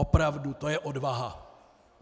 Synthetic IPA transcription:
opɾavdut̪ojɛʔodvaɦa

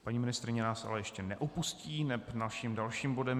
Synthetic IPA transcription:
paɲiːmɪnɪst̪ɾɪɲɛnaːsʔa̰lɛjɛʃcɛnɛʔopusciːnɛpnalʃiːmdalʃiːmbo̞dɛm

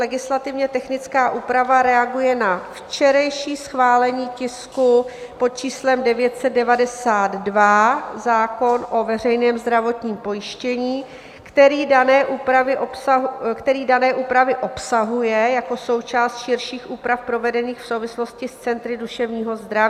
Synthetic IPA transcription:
lɛɡɪslat̪ɪvɲɛt̪ɛxnɪt͡skaːʔuːpɾavaɾɛaɡujɛnaft͡ʃɛɾajʃiːsxvaːlɛɲiːcɪsku | po̞t̪̚t͡ʃiːslɛmdɛvjɛt̪sɛd̪̚dɛvadɛsaːd̪dvazaːko̞nʔo̞vɛr̝ɛjnɛːmzd̪ɾavo̞t̪ɲiːmpo̞jɪʃcɛɲiː | kt̪ɛɾiːdanɛːʔuːpɾavɪʔopsakt̪ɛɾiːdanɛːʔuːpɾavɪʔo̞psaɦujɛjako̞so̞wt͡ʃaːst̪ʃɪɾʃiːxʔuːpɾafpɾo̞vɛdɛniːxfsowvɪslo̞scɪst͡sɛnt̪ɾɪduʃɛvɲiːɦo̞zd̪ɾavi

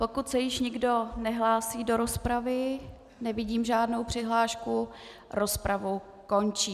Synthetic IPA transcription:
po̞kut̪sɛjɪʃɲɪɡdo̞nɛɦlaːsiːdo̞ɾospɾavɪ | nɛvɪɟiːmʒaːdnowpr̥ɪɦlaːʃku | ɾo̞spɾavu | ko̞nt͡ʃiː

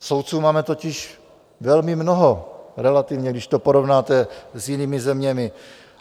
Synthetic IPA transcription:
sowt̪t͡suːmaːmɛt̪ocɪʃ | vɛlmɪmnoɦoɾɛlat̪ɪvɲɛɡdɪʃt̪opoɾovnaːt̪ɛzjɪniːmɪzɛmɲɛmɪ

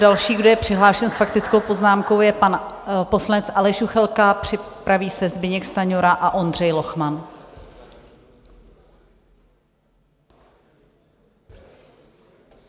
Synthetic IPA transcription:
dalʃiːɡdo̞jɛpr̝̥ɪɦlaːʃɛnsfakt̪ɪt͡sko̞wpo̞znaːmko̞wjɛpanpo̞slanɛt͡sʔalɛʃuxɛlkapr̝̥ɪpɾaviːsɛzbɪɲɛkst̪aɲoɾaʔaʔo̞ndrɛjlo̞xman

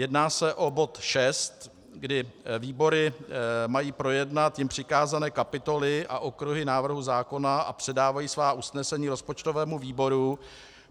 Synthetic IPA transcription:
jɛdnaːsɛʔo̞bo̞t̪ʃɛst̪ | ɡdɪviːbo̞ɾɪmajiːpɾo̞jɛdnat̪jɪmpr̝̥ɪkaːzanɛːkapɪt̪o̞lɪʔa̰ʔokɾuɦɪnaːvr̩ɦuzaːko̞naʔa̰pr̝̥ɛdaːvajiːsvaːʔusnɛsɛɲiːɾo̞spot͡ʃt̪ovɛːmuviːbo̞ɾu

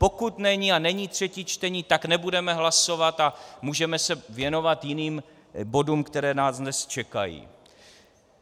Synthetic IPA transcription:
po̞kut̪nɛɲianɛɲiːt̪r̝̥ɛcit͡ʃt̪ɛɲiːt̪aknɛbudɛmɛɦlaso̞vat̪amuːʒɛmɛsɛvjɛno̞vat̪jɪniːm | bo̞duːmkt̪ɛɾɛːnaːznɛst͡ʃɛka̰jḭː

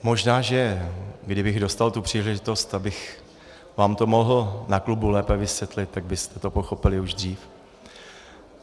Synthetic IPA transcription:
mo̞ʒnaːʒɛɡdɪbɪɣdo̞st̪alt̪upr̝̥iːlɛʒɪt̪o̞st̪abɪx | vaːmt̪o̞mo̞ɦl̩naklubulɛːpɛvɪsvjɛt̪lɪt̪ːaɡ̚bɪst̪ɛt̪o̞po̞xo̞pɪlɪuʒd̪r̝iːf

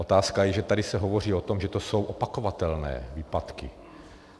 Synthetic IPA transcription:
ot̪aːskajɛʒɛt̪adɪsɛɦo̞vo̞r̝iːot̪o̞mʒɛt̪oso̞wʔopako̞vat̪ɛlnɛ̰ːviːpat̪kɪ̰

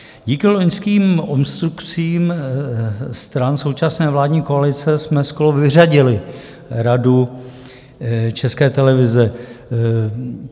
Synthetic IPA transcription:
ɟiːkɪloɲskiːmomst̪ɾukt͡siːm | st̪ɾanso̞wt͡ʃasnɛːvlaːdɲiːkoalɪt͡sɛsmɛsko̞ɾovɪr̝aɟɪlɪ | ɾadu | t͡ʃɛskɛːt̪ɛlɛvɪzɛ

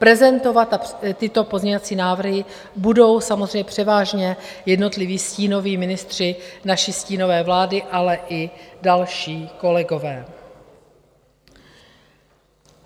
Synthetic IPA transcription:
pɾɛzɛnt̪o̞vat̪at̪ɪt̪o̞pozɲɛɲovat͡siːnaːvr̩ɦɪ | budo̞wsamozrɛjɲɛpr̥ɛvaːʒɲɛjɛdno̞t̪lɪviːsciːno̞viːmɪnɪst̪r̝̥ɪnaʃisciːno̞vɛːvlaːdɪʔalɛʔɪdalʃiːko̞lɛɡo̞vɛː

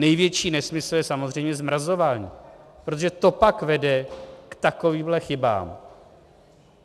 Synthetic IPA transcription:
nɛjvjɛt͡ʃiːnɛsmɪsl̩jɛsamozrɛjmɲɛzmɾazo̞vaːɲiːpɾot̪oʒɛt̪o̞pakvɛdɛkt̪ako̞viːmɦlɛxɪba̰ːm

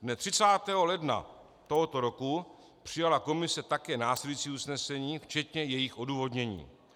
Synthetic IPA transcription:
dnɛt̪r̥ɪt͡saːt̪ɛːɦo̞lɛdna̰ | t̪o̞ɦo̞t̪o̞ɾo̞ku | pr̝̥ɪjalako̞mɪsɛt̪akɛːnaːslɛlujit͡siːusnɛsɛɲiːft͡ʃɛt̪ɲɛjɛjɪxʔo̞duːvo̞dɲɛɲḭː

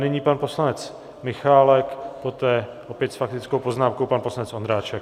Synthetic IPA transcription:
nɪɲiːpanpo̞slanɛt͡s | mɪxaːlɛkpo̞t̪ɛːʔopjɛt̪sfak̚t̪ɪt͡skowpo̞znaːmkowpanposlanɛt͡sʔo̞nd̪ɾaːt͡ʃɛk̚

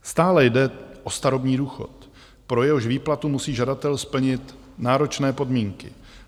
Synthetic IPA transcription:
st̪aːlɛjdɛʔost̪aɾobɲiːduːxo̰t̪ | pɾo̞jɛɦoʃviːplat̪umusiːʒadat̪ɛlspl̩ɲɪt̪ | naːɾo̞t͡ʃnɛːpodmiːŋkɪ̰

